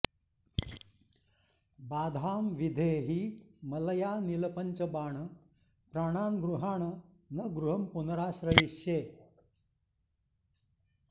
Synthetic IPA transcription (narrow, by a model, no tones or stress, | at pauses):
baːd̪ʱaːmʋid̪ʱeːɦimələjaːniləpənt͡ɕəbaːɳ | pɾaːɽ̃aːnɡɾuɦaːɳə | nɐɡɾuɦɐmpunəɾaːɕɾəjiɕjeː